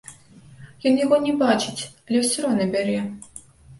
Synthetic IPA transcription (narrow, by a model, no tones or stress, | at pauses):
jɔnjaɣɔnʲɛbat͡ʂɨt͡sʲɐlʲɛwsʲɾɔnɐbʲaɾɛ